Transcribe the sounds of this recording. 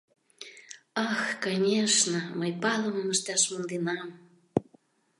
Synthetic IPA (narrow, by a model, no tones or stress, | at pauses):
ɑxkɑnʲeʃnəməjpɑləməməʃt̪ɑʃmund̪enɑm